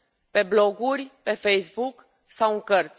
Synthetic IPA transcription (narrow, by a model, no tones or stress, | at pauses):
pe̞blo̞ɡurʲpe̞fejsbuk | sawɨŋkərt̪sʲ